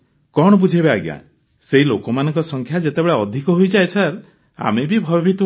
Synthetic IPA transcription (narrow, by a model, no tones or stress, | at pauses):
kɔɽ̃ɔbud͡ʒʱebeaɡja̰ | seɦilokɔmanɔŋkɔsɔŋkʰjad͡ʒet̪ebeɭaɔd̪ʱikɔɦojd͡ʒaesaɾ | a̰mebibʱɔbɔbʱit̪